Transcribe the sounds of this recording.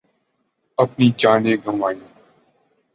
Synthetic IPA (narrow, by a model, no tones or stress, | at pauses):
əpniːt͡ʃaːnẽːɡʱəmaːjõː